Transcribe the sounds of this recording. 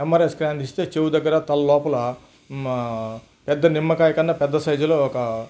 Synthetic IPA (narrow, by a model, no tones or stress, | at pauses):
emaːɾeskɾaːnd̪ist̪eːt͡ʃeːwud̪ɐɡːɐɾɐt̪ɐlɐlɔːpɐlɐ | pɛd̪ːɐnimːɐkaːjɐkɐnɖaːpɛd̪ːɐsɐjd͡ʒɐloːɔkɐ